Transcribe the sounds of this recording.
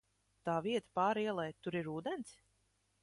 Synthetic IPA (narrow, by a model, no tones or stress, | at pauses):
t̪aːviɛt̪ḁpaːɾiɛlˠɛjt̪uɾiɾuːd̪ɛnt̪s